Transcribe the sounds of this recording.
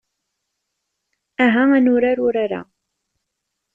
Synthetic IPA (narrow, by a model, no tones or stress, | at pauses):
æɦæænʊɾaɾʊɾaɾa̰